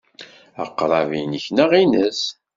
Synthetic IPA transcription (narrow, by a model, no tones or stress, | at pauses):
ə̰qːɾˤɑvinəçnəʁinəs